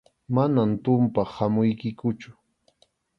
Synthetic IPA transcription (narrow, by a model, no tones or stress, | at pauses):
manamt̪ʊmpahamʊjkɪkʊt͡ʃʊ̥